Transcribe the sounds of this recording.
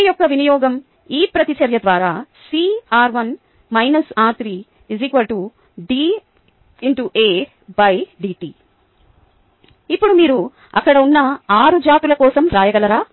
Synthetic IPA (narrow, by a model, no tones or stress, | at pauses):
jɔkːɐʋinijɔːɡɐm | iːpɾɐt̪it͡ʃɐɾjɐd̪ʋaːɾaːsiaːɾʋɐn | mɐjnɐsaːt̪ɾi | izikʋɐlʈu | ɖi | iɳʈuʔeː | bɐjɖiːʈiː | ipːuɽumiːɾu | ɐ̰kːɐɽɐunːɐaːɾud͡ʒaːt̪ulɐkɔːsɐmɾaːjɐɡɐlɐɾaː